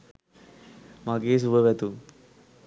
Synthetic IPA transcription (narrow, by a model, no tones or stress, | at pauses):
maɡeːs̬uʋəʋɛt̪u